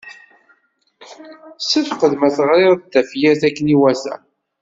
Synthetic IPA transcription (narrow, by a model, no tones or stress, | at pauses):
səfqəðmæθəʁɾɪɾt̪ːæfjæθækːəniwæsæ̰